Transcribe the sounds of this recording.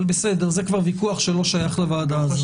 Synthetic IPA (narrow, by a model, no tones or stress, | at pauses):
besed̪eʁzekvaʁvikuaχʃelo̞ʃajaχlevaːd̪az